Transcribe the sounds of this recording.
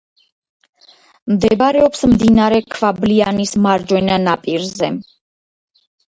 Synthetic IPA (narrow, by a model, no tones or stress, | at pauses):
md̪ɛbɾɛɔpsmd̪inaɾɛkʰvablianismaɾd͡ʒwɛnanapʼiɾzɛ